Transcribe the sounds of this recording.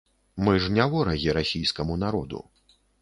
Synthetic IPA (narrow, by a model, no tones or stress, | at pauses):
mɨʐnʲavɔɾɐɣʲiɾasʲijskɐmunaɾɔd̪ṵ